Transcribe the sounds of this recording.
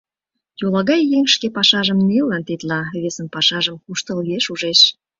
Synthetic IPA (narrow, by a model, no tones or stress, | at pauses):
jolɑɣɑjːeŋʃkepɑʃɑʒəmnellːɑnt̪et̪lɑβesənpɑʃɑʒəmkuʃt̪əljeʃuʒeʃ